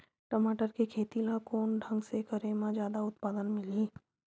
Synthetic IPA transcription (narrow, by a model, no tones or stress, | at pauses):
ʈɐmaːʈəɾkikʰeːt̪ilakoːnɖʱɐ̃ŋɡsekəɾemãd͡ʒjaːd̪aʊt̪paːd̪ənmɪliː